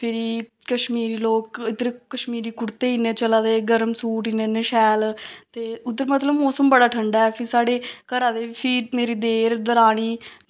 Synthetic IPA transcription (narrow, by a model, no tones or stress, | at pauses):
pʰɪɾiːkəʃmiːɾiːloːkɪd̪ɾekːəʃmiːɾiːkʊɾt̪eːineːt͡ʃəlaːd̪eːɡəɾəmsuːʈinẽːneʃɛːlt̪eːʊd̪əɾmət̪ləbmoːsəmbəɽaːʈʰəɳɖaːɛːpʰɪɾsaːɽeːkəɾaːd̪eːpʰiːmeːɾiːd̪eːɾd̪əɾaːɽ̃iː